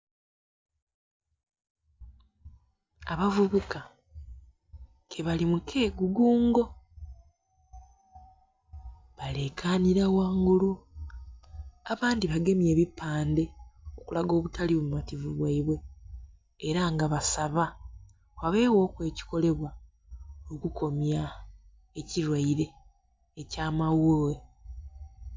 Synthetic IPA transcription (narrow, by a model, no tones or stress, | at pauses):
aβavuβuka | kʰeβalimukʰe̞ːɡuɡuːŋɡo̞ | βale̞kʰaːniɾawaːŋɡulu | aβaːndiβaɡe̞mje̞ːβipːaːnde̞o̞kulaɡo̞ːβutʰaliβuumativuβwaiβwe̞ː | ɾaŋɡaβasaβa | waβe̞ːwo̞ːkwe̞ːci̥ko̞le̞βwa | okukʰo̞mja | eciɾwaiɾe̞ː | caːmawowe